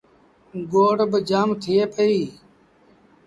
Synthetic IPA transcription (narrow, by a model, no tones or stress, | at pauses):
ɡoːɽbəd͡ʒaːmt̪ʰieːpəiː